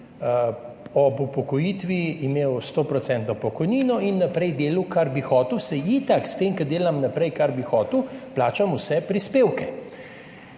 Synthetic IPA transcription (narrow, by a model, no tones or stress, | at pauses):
ɔpɔpɔkɔjiːt̪ʋiimeːwst̪oːpɾɔtsɛnt̪nɔpɔkɔjniːnɔinːɐpɾɛjd̪eːluwkaɾbixɔːt̪iwsɛit̪akst̪eːmkɐd̪eːlamnapɾɛjkaɾbixɔːt̪wplaːt͡ʃamusɛpɾispeːwkɛ